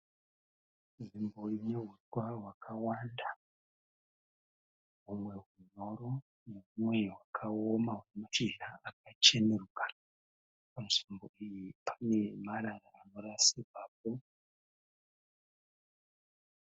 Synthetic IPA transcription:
ʐimbo̞ineɦiwawakʰawanda | ɦumwe̞ɦuɲo̞ɾo | ne̞ɦumwe̞ɦwakʰaomaɦunemat͡ʃiaak̚at͡ʃeneruka | pamusimbo̞ijipʰḁne̞maɾaraːnoɾasibaːp̚o

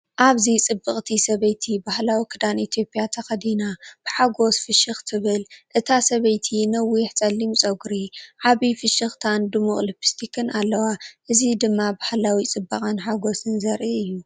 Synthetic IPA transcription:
ʔaβzit͡sʼɨbːɨχʼt̪ʰisɐβɐjt̪ʰibahlawikʰɨd̪anit̪ʰijo̞pʼɪjat̪ʰɐxɐd̪inab̥ɨħaɡo̞sfɨʃɨxt̪ʰɨβɨlʔɨt̪ʰasɐβɐjt̪ʰinɐwiħt͡sʼɐlːimt͡sʼɐɡɾiʕaβifɨʃɨxt̪ʰand̪ɨmuχʼlɨpʰi̥st̪ʰikʰɨnʔalːɐwaʔɨzid̪ɨmːabahlawit͡sʼɨbːɨχʼanħaɡo̞sɨnzɐɾʔiɨjːu

